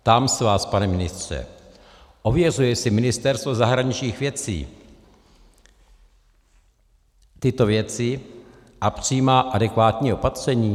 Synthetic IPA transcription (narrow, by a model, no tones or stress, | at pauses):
t̪amsvaːspanɛmɪnɪst̪r̝̥ɛ̰ | ʔo̞vjɛr̝ujɛsɪmɪnɪst̪ɛɾst̪vo̞zaɦɾaɲɪt͡ʃɲiːxvjɛt͡sḭː | t̪ɪt̪o̞vjɛt͡sɪ | ʔapr̝̥ɪjimaːʔadɛkvaːt̪ɲiːʔo̞pat̪r̝̥ɛɲiː